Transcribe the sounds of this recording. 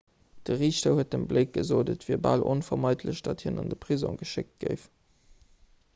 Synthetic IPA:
d̥əʁiːɕtɐhuət̚dəmbləɪk̚ɡ̥əzoːdətviːɐba̰lʔo̰nfɐmɑɪtʰləɕd̥ɑthiɐnɑ̰ndəpʁizõ̰ʊɡəʃɪk̚t̚ɡ̥əɪf

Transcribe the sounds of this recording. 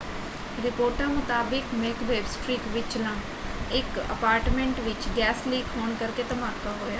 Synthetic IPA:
ɾɪpoːɾʈãːmʊt̪aːbɪkmeːkʋeːbsʈɾiːkʋɪt͡ʃlãː | ɪkə̰paːɾʈmẽɳʈʋɪt͡ʃɡɛːsliːkɦoːɳkəɾkeːt̪əmaːkʰaːɦoːjaː

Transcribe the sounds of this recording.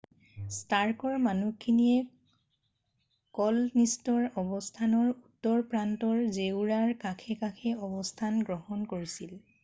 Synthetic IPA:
staɹkɔɹmanukʰinijɛ | kɔlnistɔɹɔbɔstʰanɔɹutːɔɹpɹantɔɹzewɹaɹkakʰɛkakʰɛɔbɔstʰanɡɹɔɦɔnkoɹisil

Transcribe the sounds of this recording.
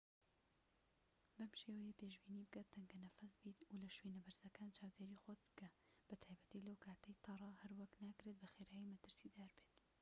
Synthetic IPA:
bɐmʃeːwɛjepeːʒbiːniːbɨɡat̪ːɐŋɡɐnɐfɐsbiːt̪ulɐʃweːnɐbɐɾzɐkaːnt͡ʃaːwd̪eːɾiːxod̪̚bɡɐ | b̥ɐt̪ʰaːjbɐt̪ilɐwkʰaːt̪ʰɐjt̪ʰɑrˤɑhɐɾwɐknaːkɾet̪̚bɐxeːɾaːjimɐt̪ɨɾsid̪aːɾbet̪

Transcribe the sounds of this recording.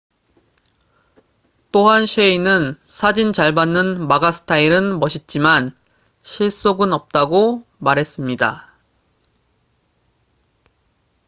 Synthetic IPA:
t͈oɦanɕʰeinɯnsʰad͡ʑint͡ɕaɭbanːɯnmaɡasʰɯ̥tʰaiɾɯnmʌɕʰit̚t͡ɕ͈iman | ɕʰiɭs͈oɡɯnʌp̚t͈aɡomaɾɦe̞s͈ɯmɲida̰

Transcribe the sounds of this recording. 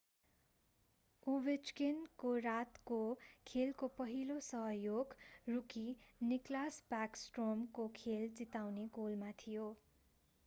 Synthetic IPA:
ubet͡ʃkenkorat̪kokʰelkopʌɦilosʌɦʌjoɡrukiniklasbaksʈromkokʰelt͡sit̪awneɡolmat̪ʰijo

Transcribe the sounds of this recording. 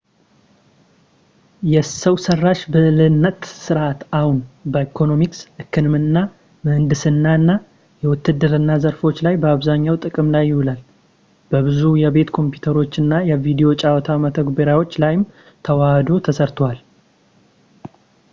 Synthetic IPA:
jɛsəwsərːaʃbɨlɨnːət̪sɨɾʔat̪ahunbəikʰo̞no̞miksʔɨkʰːɨnmɨnːa | mɨhɨnd̪ɨsɨnːaɨnːa | jɛwʊt̪ːɨd̪ɨɾɨnːazəɾfo̞t͡ʃːlajbəaβzaɲːawt̪ʼɨkʼɨmlajːɪhulal | bəβɨzujɛbe̞t̪kʰo̞mpʰjut̪ʰəɾo̞t͡ʃːɨnːajɛvid̪ijo̞t͡ʃʼawɔt̪ʰamət̪ʰəɡbeɾawo̞t͡ʃːlajɪm | t̪ʰəwahd̪ot̪ʰəsəɾt̪ʰwal

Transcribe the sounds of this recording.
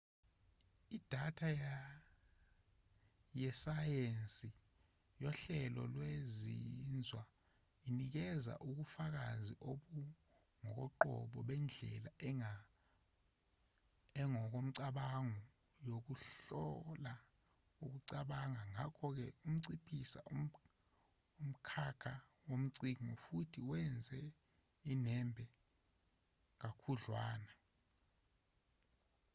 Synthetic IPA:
id̥ʱatʰaja | jɛsajensʼi | jɔɬɛlɔ̰lwezind͡zʱwa | inik̬ɛza̰ʔuk̬ufak̬aziʔoɓu | ŋɔk̬ɔ̰ǃɔ̰ɓɔɓɛnd͡ɮʱɛla | ɛŋɔk̬om̩ǀaɓaŋɔ | jok̬uɬɔla | uk̬uǀaɓaŋaŋakʰɔk̬ɛum̩ǀipʰisa̰ʔu | um̩kʰakʰa | wom̩ǀiŋɔfutʰiwɛnd͡zʱɛ | inɛmbʱɛ | k̬akʰuɮwaːna

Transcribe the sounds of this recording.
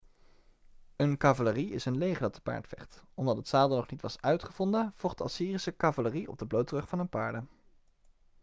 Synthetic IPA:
ənkavaləriɪsənlejχədɑt̚də̥pa̰ːɹtfɛ̰χtɔmdɑtɦətsaːlˠdənɔχnitʋɑsœɥtχəv̥ɔndəv̥ɔlˠχdəɑ̰siːrisəkɑvaləriɔ̰b̚dəblowtrɵχfɑnənpɑːɹdə

